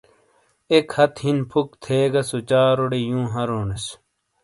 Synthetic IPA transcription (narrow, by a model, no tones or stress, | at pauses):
ekhɐt̪hinpʰukt̪ʰeːɡɐsot͡ɕaːɾoɽejũːɦɐɾoːnes